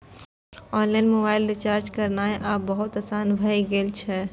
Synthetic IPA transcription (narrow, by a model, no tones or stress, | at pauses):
ɔnlanmobaɪlɾit͡ʃaɾd͡ʒkəɾnajʔabəɦut̪əsanbʱəjɡelt͡ʃʰɛ